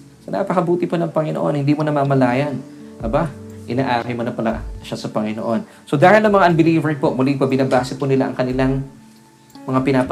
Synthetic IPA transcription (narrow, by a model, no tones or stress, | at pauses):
sɐna̰pɐkɐbuːt̪ɪponɐŋpɐŋɪnoʔo̞̰nhɪnd̪iːmonɐmamɐlaːjɐnɐbaʔɪnaːʔaːkɐjmɐnɐpɐla̰ʃasɐpɐŋɪnoʔo̞n | so̞d̪aːhɪlnɐŋmɐŋaʔɐnbɪliːvɛɾŋpoʔmʊlipɐbɪnabaːsɛpʊnɪlaʔɐ̰ŋkɐnɪlaŋ | mɐŋapɪnaːpɐ